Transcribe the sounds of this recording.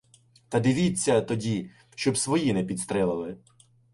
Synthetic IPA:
t̪ɐd̪ɪʋʲit͡sʲːɐt̪ɔdʲi | ʃt͡ʃɔbsʋɔjinɛpʲit̪st̪ɾɛlˠɐlˠɪ

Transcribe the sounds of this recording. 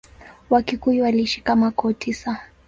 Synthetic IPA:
wakikuiwaliʃi̥kamakɔtʰisa

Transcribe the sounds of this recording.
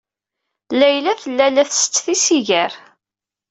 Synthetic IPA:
læjlæθəlːælæθsə̥t͡sːθisiʝæɾ

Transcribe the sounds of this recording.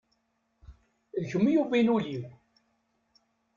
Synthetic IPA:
ðəçəmːjuvinuliw

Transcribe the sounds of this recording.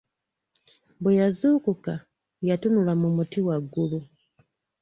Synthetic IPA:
bwejazuːkuka | jatunulamumutiwaɡːulu

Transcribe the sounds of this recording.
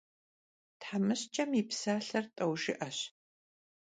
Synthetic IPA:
tħamɨɕt͡ʃʼɐmipsaːɬɐrtʼɐwʒɪʔɐɕ

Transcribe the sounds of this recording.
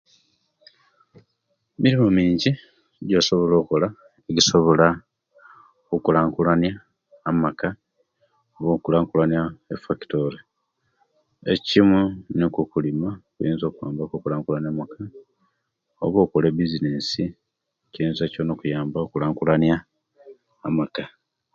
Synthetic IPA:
miɾimomiːɲɟi | ɟoso̞βo̞lo̞ːkola | eɟiso̞βo̞la | okulaːŋkulanjaː | maka | oβoːkulaːŋkulanjaefaki̥to̞ɾe | ḛcimunekukulimakujiːnzoːkuja̰ːmbakokulaːŋkulanjamaka | o̰βo̞ːkolebizineːsi | ciiːnzacono̞ːkujaːmbaokulaːŋkulanjaː | maka

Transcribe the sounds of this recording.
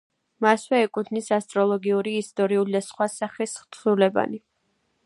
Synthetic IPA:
maswɛɛkʼut̪ʰnisast̪ʼɾɔlˠɔɡiuɾiːst̪ʼɔɾiulid̪asχwasaχisχt̪ʰulɛba̰ni

